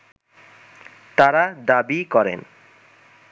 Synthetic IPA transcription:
t̪aɾad̪abikɔɾḛn

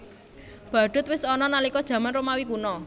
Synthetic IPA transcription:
b̥ä̤ɖ̥ʊ̤t̪̚wɪsɔnɔnalikɔd̥ʒ̥ä̤manromawikunɔ

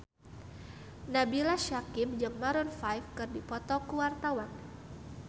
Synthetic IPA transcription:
nabilaʃakimd͡ʒɨŋmaɾɔnfajfkɨrdipɔt̪ɔkuwart̪awan

